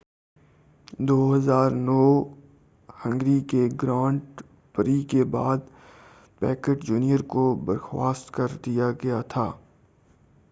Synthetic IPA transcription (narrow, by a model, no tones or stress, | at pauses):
d̪oːɦɐzaːɾnɔː | hɐ̃ŋɡɾikeɡɾãːɳʈ | pəɾikebaːd̪ | pɛːkəʈd͡ʒuːnijəɾkobɐɾxwa̰ːst̪kɐɾd̪ijaɡɐjat̪ʰaː